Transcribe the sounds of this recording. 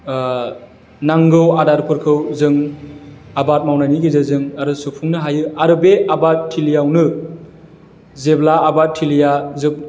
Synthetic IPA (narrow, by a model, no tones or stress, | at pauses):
naŋɡɯwadaɾpʰɯɾkʰɯwzɯŋ | abat̚mawnaniɡizɯzɯŋaɾɯsupʰuŋnɯɦajɯaɾɯbeabattʰːilijawnɯ | zeblaːbat̚tʰːilijazɯp̚